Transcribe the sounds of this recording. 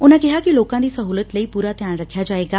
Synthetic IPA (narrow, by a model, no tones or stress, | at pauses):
ʊnãːkɪɦaːkiloːkãːd̪iːsəɦuːlət̪ləiːpuːɾaːt̪jaːnɾəkʰːjaːd͡ʒaːeːɡaː